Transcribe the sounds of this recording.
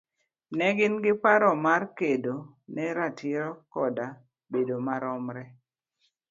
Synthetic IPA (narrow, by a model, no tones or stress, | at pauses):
nɛɡɪnɡɪpaɾɔmarkedo | nɛɾatɪɾɔkɔda | bedomaɾɔmɾɛ